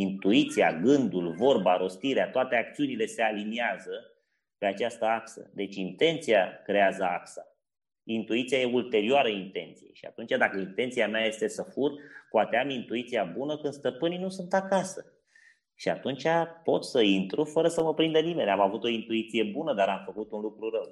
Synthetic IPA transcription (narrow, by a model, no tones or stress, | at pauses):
int̪uit̪sija̰ɡɨnd̪ulvo̞rbaɾo̞st̪iɾeat̪oat̪e̞ak̚t̪siunile̞se̞aliniazə | pe̞at͡ʃast̪əaksə̰d̪e̞t͡ʃʲint̪e̞nt̪sijakɾe̞azəaksa | int̪uit̪sijaje̞ult̪e̞ɾioaɾəint̪e̞̰nt̪sijḛʃia̰t̪unt͡ʃad̪akəint̪e̞nt̪sijameaje̞st̪e̞səfurpoat̪eamint̪uit̪sijabunəkɨnd̪st̪əpɨninusunt̪akasə | ʃia̰t̪unt͡ʃapo̞t̪səint̪ɾufəɾəsəməpɾind̪ənime̞nʲamavut̪o̞int̪uit̪sije̞bunəd̪aɾamfəkut̪unlukɾuɾəw